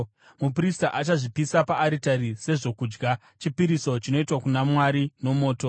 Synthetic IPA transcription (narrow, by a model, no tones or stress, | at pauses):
mupristaʔat͡ʃaʐipisapaːɾitaɾise̞ʐo̞kuːd͡ʒɡa | t͡ʃipiɾiso̞t͡ʃino̞itwakunamwaɾino̞mo̞ːto̞